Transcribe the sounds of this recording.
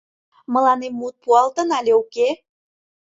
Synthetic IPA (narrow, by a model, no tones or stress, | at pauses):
mɤ̆lɑnemːut̪̚puɑlt̪ə̆nɑlʲeuke